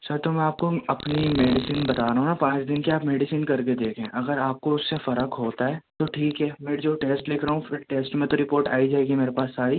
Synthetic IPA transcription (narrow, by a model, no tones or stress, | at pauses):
sɐɾt̪omɛ̃aːp̚koɐpnimeːɖɪsɪnbɐt̪aːɾɐɦũnapãːt͡ʃd̪ɪnkeaːpmeːɖɪsɪnkɐɾked̪eːkʰẽʔɐɡəɾaːp̚koʊsːefɐɾəkɦoːt̪aɦɛːt̪oʈʰiːkɦɛːmɛ̃ːd͡ʒoːʈeːsʈlɪkʰɾɐɦũfɪɾʈeːsʈmẽt̪oɾɪpoːɾʈaːid͡ʒaːeːɡimeːɾepaːsːaːɾi